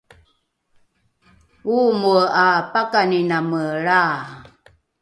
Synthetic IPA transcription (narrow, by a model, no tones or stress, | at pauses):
umuapakaninaməɭa